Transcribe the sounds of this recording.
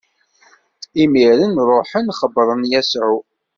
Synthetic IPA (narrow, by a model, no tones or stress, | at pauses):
imiɾənɾˤoħənχəbɾˤənjæsʕu